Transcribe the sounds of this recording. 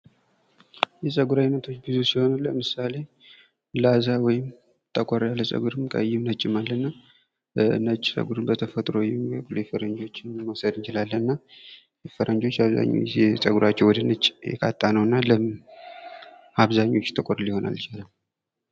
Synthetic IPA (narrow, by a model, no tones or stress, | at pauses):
jɛsʼəɡuɾajnət̪ʰo̞t͡ʃːbɨzusiho̞naləmɨsale̞ | lazawɔjɪm | t̪ʰəkʼɔɾjalːəsʼə̰ɡuɾɨmkʼə̰jːɪmnət͡ʃʼːɪmalːənːa | nət͡ʃʼːsʼə̰ɡuɾɨnbət̪ʰəfət̪ʼɾojɛmiə̰kʼlɛfəɾəɲd͡ʒo̞t͡ʃːɪnməwsəd̪ɨnt͡ʃɪlalːənːa | jɛfəɾənd͡ʒo̞t͡ʃːaβza̰ɲːo̰jɛsʼəɡuɾat͡ʃːɛwɔd̪ənət͡ʃʼːjɛ̰kʰa̰t̪ʼːanəwɨnːalə | aβzaɲːo̞t͡ʃːt̪ʰəkʼoɾlɪho̞na̰lt͡ʃalam